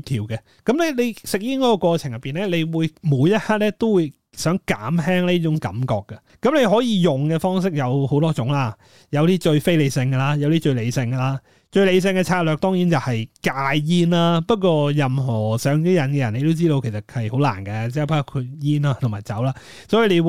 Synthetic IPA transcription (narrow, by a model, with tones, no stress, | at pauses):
t̪ʰiː˨˩wkɛ˧ | kɐ˨˥mlɛ˥le˨˧jsɪ˨k̚jiː˥nkɔ˨˥kːɔ˧kʷwɔː˧t͡sʰɪ˨˩ŋjɐ˨tpːiː˨˩nlɛ˥le˨˧jwuː˨˧jmuː˨˧˥jjɐ˥t̚haː˥t̚lɛ˥t̪o˥wu˨˧j | sœː˨˥ŋka̰ː˨˥mɦɛː˥ŋli˥t͡ʃʊ˨˥ŋkɐ̰˨˥mkɔː˧kːɐ˧ | kɐ˨˥mle˨˧jɦɔː˨˥jiː˨˧jʊ˨ŋkɛː˧fɔː˥ŋs̬ɪ˥k̚jɐ˨˧who˨˥wt̪ɔː˥t͡sʊ˨˥ŋlaː˥ | jɐ˨˧wt̪iː˥t͡ʃɵ˧ɥfe˥jle˨˧jsɪ˧ŋɡɐ˧laː˥jɐ˨˧wt̪iː˥t͡ʃɵ˧ɥle˨˧jsɪ˧ŋɡɐ˧laː˥ | t͡ʃɵ˧ɥle˨˧js̬ɪ˧ŋkɛ˧t͡sʰaː˧t̚lœː˨k̚t̪ɔː˥ŋjiː˨˥nt͡sɐ˨whɐ˨jkaː˧jjiː˥nlaː˥pɐ˥t̚kʷɔː˧jɐ˨mɦɔː˨˩sœː˨˥ŋt̪iː˥jɐ˨˩nkɛ˧jɐ˨˩nle˨˧t̪o˥wt͡siː˥ɾo˧wkʰe˨˩sɐ˨˩t̚hɐ˨jho˨˥wla̰ː˨˩nkɐ˧t͡sɛː˥˨pʰaː˥kːkʰu˧jiː˥na˧t̪ʰʊ˨˩ŋmaː˨˩t͡sɐ̰˨˥wlaː˥ | sɔː˨˥ji˨˧le˨˧